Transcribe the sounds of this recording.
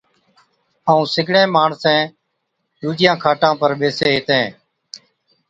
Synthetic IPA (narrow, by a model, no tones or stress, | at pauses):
aːũːsɪɡʱɽẽːmaːɳsɛ̃ː | ɗ̪uːd͡ʒɪjãːkʰaːʈãːpəɾɓeːseːɦɪt̪ẽː